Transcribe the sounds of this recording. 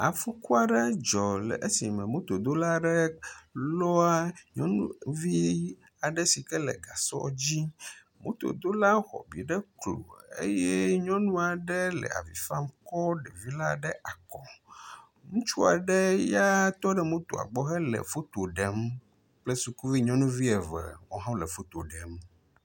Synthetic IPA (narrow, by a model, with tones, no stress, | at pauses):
a̰˨fu˦ku˦a˨ɖɛ˦d͡ʒɔ˨l̰ʔe˦si˨mɛ̃˨mõ˦t̪o˨d̪o˦la˦ɖɛ˦lɔ˦a˦ɲɔ̰̃˦nṵ̃˦vi˦ | a˨ɖɛ˦si˨kɛ˦lɛ̰˨ɡa˨sɔ̰˦d͡ʑi˦ | mõ̰˦t̪o̰˨d̪o˦la˦xɔ̰˨bḭ˨ɖɛ˦klo̰˨ḛ˦jɛ˦ɲɔ̃˦nũ˦a˨ɖɛ˦lɛ̰˨a̰˨vḭ˨fa˦mkɔ˦ɖɛ˨vi˦la˦ɖɛ˦ʔa˨kɔ˨ | ŋũ˦t͡ʃu˦a̰˨ɖɛ˦ja˦t̪ɔ˦ɖɛ˦mõ˦t̪o˨a̰˨ɡ͡bɔ˦xɛ˦lɛ̰˨fo˦t̪o˨ɖɛ˨m | k͡plɛ˦su˨ku˦vi˦ɲɔ̃˦nũ˦vi˦ɛ˨vɛ̰˨wo˦ɦã˦lɛ˨fo˦t̪o˨ɖɛ˨m